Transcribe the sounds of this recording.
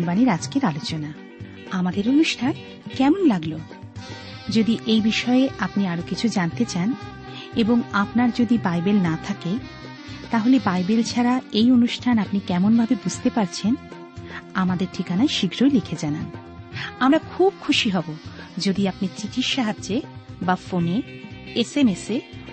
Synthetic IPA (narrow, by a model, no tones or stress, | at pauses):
nbaniɾad͡ʑkeɾalot͡ɕona | amad̪eɾonuʃʈʰan | kɛmonlaɡlo | d͡ʑod̪iʔejbiʃɔeeʔapniaɾokit͡ɕʰud͡ʑant̪et͡ɕan | eboŋapnaɾd͡ʑod̪ibajbelnat̪ʰake | t̪aɦolebajbelt͡ɕʰaɾaejonuʃʈʰanapnikɛmonbʱabebud͡ʑʱt̪epaɾt͡ɕʰen | amad̪eɾʈʰikanaeʃiɡɾojlikʰed͡ʑanan | amɾakʰub̚kʰuʃiɦɔbo | d͡ʑod̪iapniɾt͡ɕit̪ʰiʃaɦad͡ʑːebafone | esemese